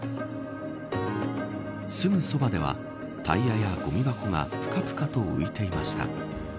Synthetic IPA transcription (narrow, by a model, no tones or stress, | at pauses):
sɨmɯ̟so̞bad̪e̞βa̰ | t̪ʰa̰iajaɡ̥o̞mʲibako̞ŋa̰pɯ̟̥kapɯ̥kat̪o̞ɯ̟̰it̪e̞imaɕi̥t̪a̰